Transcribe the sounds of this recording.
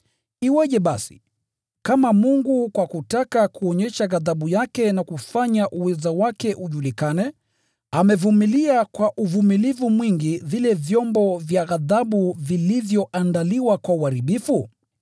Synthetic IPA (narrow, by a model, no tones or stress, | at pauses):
iwɛʄɛɓasi̥̰ | kamamuŋɡukwakutakakuɔɲɛʃaɣaðaɓujakɛnakufaɲaʔuwɛzawakɛʔuʄulikanɛ | amɛvumiliakwaʔuvumilivumwiŋɡiðilɛvjɔmbɔvjaɣaðaɓuvilivjɔʔandaliwakwauaɾiɓifu